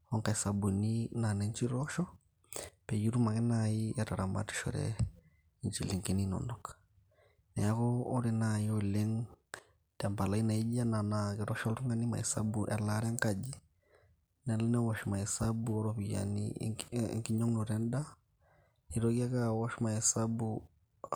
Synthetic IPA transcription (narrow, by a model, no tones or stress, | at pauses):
ɔŋkaɛsabuninanɛɲt͡ʃiɾɔʃɔ | pɛd͡ʒiɾumakɛnaijataɾama̰ti̥ʃɔ̰ɾɛ̰ | ɲt͡ʃilɛŋkininɔ̰nɔkḁ | nɛjakɔɔɾɛnajiɔlɛŋ | tambalainaid͡ʒananakɛɾɔʃaltuŋɡanima̰hɛ̰sa̰buʔalaɾaŋkad͡ʒi | nalɛnawɔʃɔmahɛsabuɔɾɔβija̰nḭ | ŋkiɲɔŋnɔɾɛnda | niɾɔkiakawɔʃɔmahɛsabu